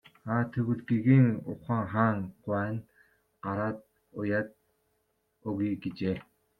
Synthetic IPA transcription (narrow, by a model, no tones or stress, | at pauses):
aːt̪ʰɵɣɘ̆ɮɡiɣiːŋʊχaːŋχaːŋɢʷwæːn | ɢ̥aɾaːt̪̚ | ʊjaːt̪̚ | ʊɣiɡit͡ɕeː